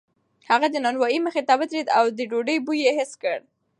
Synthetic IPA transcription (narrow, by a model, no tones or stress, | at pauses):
haɣad̪ənɑnwɑjiməxet̪abət̪ɾed̪awd̪əɖoɖəjbujeɦɪskəɽ